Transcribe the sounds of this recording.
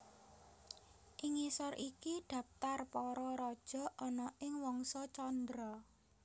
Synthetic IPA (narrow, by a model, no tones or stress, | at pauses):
ʔiŋisɔrʔikiɖ̪̥ä̤p̚t̪arpɔɾɔɾɔd̥ʒ̥ɔ̤ʔɔnɔʔɪŋwɔŋsɔt͡ʃɔnd̪ɾɔ